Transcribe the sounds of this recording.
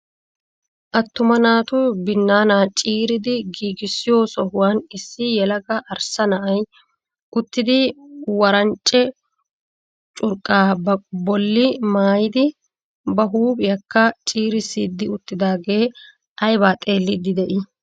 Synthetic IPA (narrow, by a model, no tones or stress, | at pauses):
ʔɐt̪ːʊmɐnaːt̪ʊbɪnːaːnaːt͡ʃʼiːɾɪd̪ɪɡiːɡɪsːɪjo̞ːsɔhʊwaːnɪsːɪjɛlɐɡɐʔɐɾsɐnɐʔɐj | ʊt̪ːɪd̪ɪwɐɾɐnt͡ʃʼːɛ | t͡ʃʼʊɾkʼːaːbɔlːɪmaːjɪd̪ɪ | bɐɦuːbɪjɐkːɐt͡ʃʼiːɾɪsːiːd̪ːɪʊt̪ːɪd̪aːɡe̞ː | ʔɐjbaːt̪ʼe̞ːlːɪd̪ɪd̪ɛʔɪ